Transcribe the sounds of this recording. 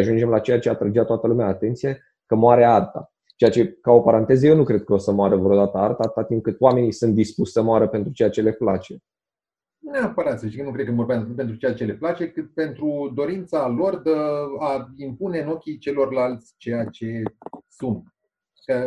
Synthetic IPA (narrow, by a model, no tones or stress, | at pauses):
aʒund͡ʒe̞mlat͡ʃe̞jat͡ʃeat̪ɾəd͡ʒat̪oat̪əlumeaːt̪e̞nt̪sije | kəmoaɾe̞art̪a̰ | t͡ʃe̞jat͡ʃe̞kao̞paɾant̪e̞zəjewnukɾe̞d̪̚kəo̞səmoaɾəvɾo̞d̪at̪əart̪at̪at̪imkɨt̪wame̞nisunt̪̚d̪ispuʃʲsəmoaɾəpe̞nt̪ɾut͡ʃe̞jat͡ʃele̞plat͡ʃe̞ | neapəɾat̪səʃt̪ikənukɾekənmvo̞rbamut̪pe̞nt̪ɾut͡ʃejat͡ʃe̞le̞plat͡ʃe̞kɨt̪̚pe̞nt̪ɾud̪o̞ɾint̪salo̞rd̪əaimpune̞no̞kʲit͡ʃe̞lo̞rlalt̪sʲt͡ʃejat͡ʃe̞sunt̪̚ | kə